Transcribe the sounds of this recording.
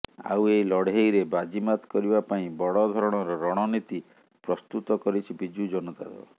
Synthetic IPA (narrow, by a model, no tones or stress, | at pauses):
a̰wejlɔɽejɾebad͡ʒimat̪kɔɾibapaĩbɔɽɔd̪ʱɔɾɔɽ̃ɔɾɔɾɔɽ̃ɔnit̪i | pɾɔst̪ut̪ɔkɔɾit͡ʃʰibid͡ʒud͡ʒɔnɔt̪a̰d̪ɔ̰